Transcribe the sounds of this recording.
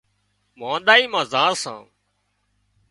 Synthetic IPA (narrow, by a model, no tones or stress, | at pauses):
mãːnɗ̪aːiːmãːzãːɾsã̰ː